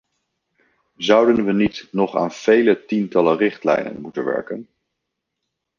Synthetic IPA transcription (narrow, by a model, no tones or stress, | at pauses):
zʌwdənʋənitnɔχa̰ːnv̥ejlətintɑlərɪχtlɛ̰jnə̰nmutənʋɛ̰ɹkən